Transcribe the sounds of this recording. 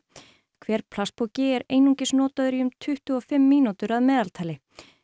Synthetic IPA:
kʰvɛːɾ̥pʰlaspʰɔcɪɛɾeːjnuŋcɪsnɔːt̪aðʏɾiʏmt̪ʰʏht̪ʏɔfɪmːiːnut̪ʏɾaðmɛːðalt̪ʰaːlɪ

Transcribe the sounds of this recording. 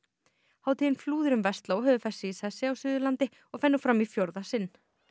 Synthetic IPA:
haːwt̪ʰiɪnfluːðɪɾʏmvɛst̪laɔhœːvʏfɛsːɪiθɛsːɪawsʏːðʏlant̪ɪ | ɔɣfɛnːʏfɾamifjoɾðasɪnː

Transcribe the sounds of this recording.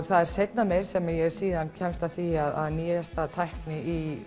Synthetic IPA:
θaðɛɾ̥sejt̪namejɾ̥sɛmajɛɛɾ̥siːðancʰɛmst̪aθiaða̰ðniːjast̪aðt̪ʰajhknɪi

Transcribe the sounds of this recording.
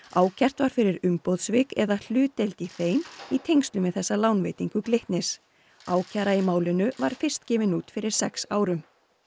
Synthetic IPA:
aːwcʰar̥t̪vaɾ̥fɪɾɪɾʏmpowðsvɪkɛðal̥ʏːt̪ejlt̪iθeːjnit̪ʰejŋst̪lʏmɛðθɛsːalaːwnvejt̪iŋkʏkleht̪nɪs | aːwcʰaɾaimaːwlɪnʏvaɾ̥fɪr̥st̪cɛːmɪnuːt̪fɪɾɪɾ̥sɛksaːwɾʏm

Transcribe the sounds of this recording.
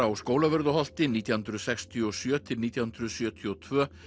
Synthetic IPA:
awskoːwlavœɾðʏɦɔl̥t̪ɪniːt̪jahʏnd̪ɾʏsɛkst̪ʰiɔsjœːt̪ʰɪlniːt̪jahʏnd̪ɾʏsjœːt̪ʰiɔt̪ʰvœː

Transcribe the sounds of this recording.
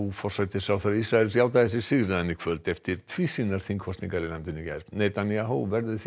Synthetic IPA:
ufɔr̥sajt̪ɪsawθaɾisɾaɛlsjawt̪aðɛsɪsɪɣɾɪðɛnːɪkʰv̥œlt̪ɛft̪ɪɾ̥t̪ʰvisinaɾ̥θiŋkʰɔst̪niŋkaɾinamt̪ɪnːɪca̰ɾnejt̪anːiaɦowvɛɾðɪθ

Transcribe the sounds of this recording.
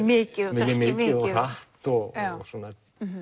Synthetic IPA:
mɪːcɪðɛɛmɪːɪðɔθaht̪ɔɣsɔːna

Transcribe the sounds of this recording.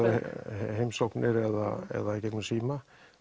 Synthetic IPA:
ɦejmsowhknɪɾɛða̰ɛ̰ðacɛknʏsiːma

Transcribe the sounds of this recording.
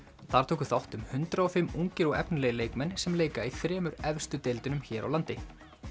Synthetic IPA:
θaɾ̥t̪ʰuːkʏθawht̪ʏmhʏnt̪ɾaɔfɪmːuŋcɪɾɔɣɛ̰pnlɛːjɪleːjkmɛnːsɛmleːjkaiθɾɛːmʏɾɛvst̪ʏt̪elt̪ʏnʏmçɛːɾa̰wlant̪ɪ

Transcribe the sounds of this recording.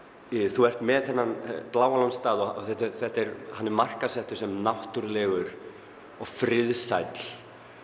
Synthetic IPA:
θuɛr̥t̪mɛðθɛnːanplaːwalɔnst̪aːðɔɔ̰θɛht̪aɾθɛht̪ɛɾhanːɛɾmar̥kasɛht̪ʏɾ̥sɛmnawht̪ʏɾlɛːɣʏɾ | ɔɣfɾɪðsa̰jt̪l̥

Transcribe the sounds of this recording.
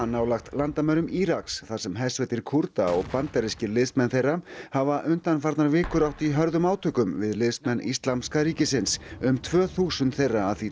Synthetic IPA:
anːaːwlaxt̪lant̪amœɾʏmiɾaksθḁsɛmɦɛsvɛjt̪ɪɾ̥kʰuɾt̪aɔɣpant̪ɛɾɪscɪɾlɪðsmɛnθejrːahavaʔʏnt̪anfaɾt̪naɾvɪːkʏɾawht̪iɦœɾðʏmaːwt̪ʰœkʏmvɪðlɪðsmɛnːḭst̪lamskaɾiːcɪsɪnsʏmt̪ʰvœːθuːsʏnt̪θejrːaːðθi

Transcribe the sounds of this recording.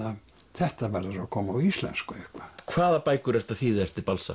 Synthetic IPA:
ɑ | t̪ʰæht̪æʋærɑrokʰomoislæ̰nskoipːɑ̥kʰwaːðapajkʰuɾar̥t̪aθiːðɛr̥t̪ɪbalsa̰

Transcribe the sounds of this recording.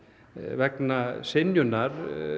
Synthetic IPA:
vɛknasɪnjʏnːaɾ

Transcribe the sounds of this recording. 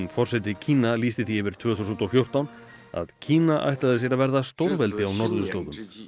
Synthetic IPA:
nfɔr̥sɛt̪̬ɪcʰiːnaliːst̪ɪθiɛvɪɾ̥t̪ʰvœːθusʏnt̪ɔfjowr̥t̪awn | a̰ðcʰiːnaʔa̰jht̪laðɪsjɛɾavɛɾðast̪owɾvɛlt̪ɪawnɔɾðʏst̪oːɣʏm

